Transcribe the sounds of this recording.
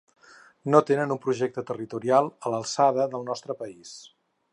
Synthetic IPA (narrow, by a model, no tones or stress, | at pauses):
not̪enənumpɾuʒɛk̚t̪ət̪ərit̪uɾialˠələlˠsaðəðəlˠnɔst̪ɾəpəis